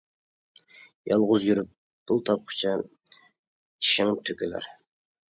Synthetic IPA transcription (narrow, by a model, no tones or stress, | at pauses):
jɑlˠʁʊzjyɾyp̚ | b̥ulˠt̪ʰɑp̚qʰʊ̥t͡ʃʰɑ | t͡ʃʰi̥ʃɪŋt̪ʰøkʲølæ̰ɾ